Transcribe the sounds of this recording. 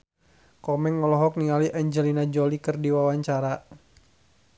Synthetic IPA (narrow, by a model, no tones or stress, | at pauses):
kɔmɛŋːɔlɔɦɔk̚niŋaliʔaɲd͡ʒɛlinad͡ʒolikɨrdiwawaɲt͡ʃaɾa